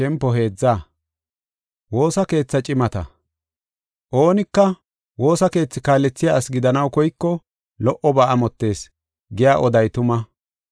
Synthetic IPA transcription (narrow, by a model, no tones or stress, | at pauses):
ɛmpːɔɦe̞ːd͡zːaː | wo̞ːsɐke̞ːt͡sːɐt͡ʃʼɪmɐt̪ɐ̰ | ʔo̞ːnɪkːɐ | wo̞ːsɐke̞ːt͡sːɪkaːlːɛt͡sːɪjaːsɡɪd̪ɐnɐwkɔjkːɔ | lɔʔɔbaːɐmɔt̪ːe̞ːs | ɡɪjaːʔɔd̪ɐjt̪ʊmɐ